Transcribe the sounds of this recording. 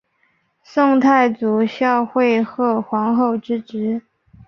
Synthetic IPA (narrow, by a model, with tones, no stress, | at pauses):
sʊ˥˧ŋt̪ʰa˥˩ɪt͡su˨˥ɕjɑ˥˧ʊxwe˥˧ɪxɤ˥˩xwɑ˧˥ŋxo˥˩ʊʈ͡ʂɻ̩˥ʈ͡ʂɻ̩˧˥